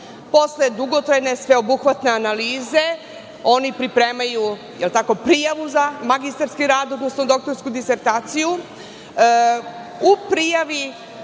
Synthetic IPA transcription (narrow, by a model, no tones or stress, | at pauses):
po̞sled̪uɡot̪ɾajne̞sʋe̞o̞buxʋat̪ne̞analiːze̞ | o̞nipɾipɾeːmaju | jelt̪ako̞pɾijaʋuzamaɡist̪aɾskiɾaːd̪o̞d̪nosnod̪o̞k̚t̪o̞ɾskud̪iseɾt̪aːt̪siju | upɾijaʋi